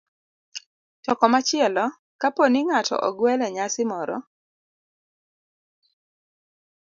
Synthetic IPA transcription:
tɔkɔmat͡ʃɪɛlɔ | kaponiŋatɔ̰ʔɔɡwɛlɛɲasɪmɔɾɔ̰

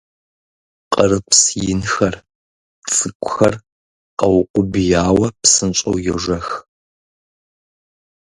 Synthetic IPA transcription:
qərɨpsjɪnxɐr | t͡sʼɨkʷʼʊxɐr | qɐwʊqʷʊbjaːwɐpsɨnt͡ʃʼɐ̰wjɛʒɐx

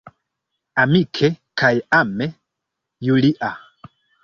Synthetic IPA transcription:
amikʰekʰajame | juliʔa

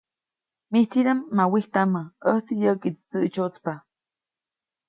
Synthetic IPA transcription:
miht͡siɾamːawiht̪amaəht͡sijəkit͡st͡səʔt͡ʃot͡spa

